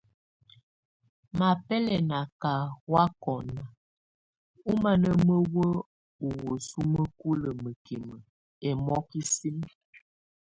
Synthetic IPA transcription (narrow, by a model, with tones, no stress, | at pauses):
ma˨pɛ˦lɛ˨na˨ka˨wa˦kɔ˨na˨ | u˦ma˨nə˦mə˦wə˦ | u˨wə˨su˦mə˦ku˦lə˨mə˨ki˨mə˨ | ɛ˨mɔ˦ki˦si˦m